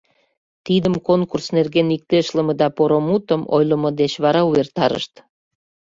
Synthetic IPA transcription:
t̪id̪əmkonkursnerɣenik̚t̪eʃləmə̆d̪ɑpoɾomut̪əmo̰jləmod̪et͡ɕβɑɾɑuβert̪ɑɾə̰ʃt̪

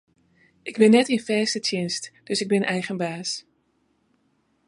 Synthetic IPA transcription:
ʔɪɡbɪnːɛtɪnfɛːstətʰɪnstd̥ɵsɪɡ̚bɪnɛjχənbaːs

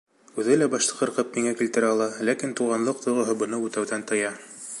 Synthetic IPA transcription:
ʉðɘlæbɑʃt̪ˠɤ̥̆qɤ̆ɾqɤp̚miŋækilt̪ɘ̆ɾæɑlˠɑlækint̪uʁɑnlˠɤq̚t̪ŏjʁŏɦɤbɤ̆nɤʉt̪æwðænt̪ɤ̆jɑ

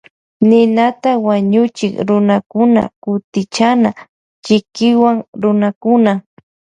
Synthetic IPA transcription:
nɪnat̪awaɲʊt͡ʃɪkɾʊnakʊna̰kʊt̪ɪt͡ʃana | t͡ʃɪkɪwaŋɾʊnakʊna

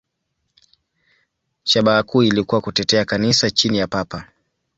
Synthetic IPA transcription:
ʃaɓaːkuːilikuwakutɛtɛakanisat͡ʃinijapapa

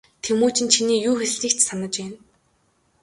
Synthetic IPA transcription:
t̪ʰemoːt͡ɕɪ̆nt͡ɕʰiniːjuːxes̆ɮiːkt͡ɕsanə̆t͡ɕæn

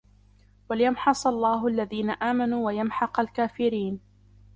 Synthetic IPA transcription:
walɪjamħɑsˤɑlˤːaːɦʊʔalːaðiːnaʔaːmanuːwajamħɑqalkaːfɪɾiːn

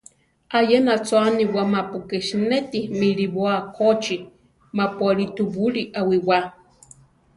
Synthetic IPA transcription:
ajenat͡saniwamapukeʃnet̪imiɾiβoakʰot͡ʃi | mapualit̪ubuɺiʔawiwa

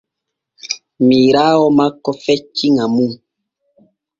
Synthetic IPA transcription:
mĩɾawɔmãkɔfɛt͡ʃiŋãmũ

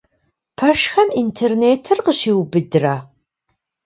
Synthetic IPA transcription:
pʰɐʃxɐmintʰeːrneːtʰɨrqəɕiːwbɨdɨra

